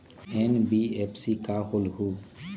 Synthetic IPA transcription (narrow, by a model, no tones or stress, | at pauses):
enbiepsikaɦolhu